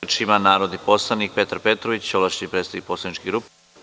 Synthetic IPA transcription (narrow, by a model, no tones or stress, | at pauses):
t͡ʃimanaːɾo̞d̪ipo̞slˠanik̚pe̞t̪aɾpe̞t̪ɾoʋit͡ɕt͡ɕolˠaʃi̥nipɾeːsed̪nik̚po̞slanit͡ʃkiɡɾup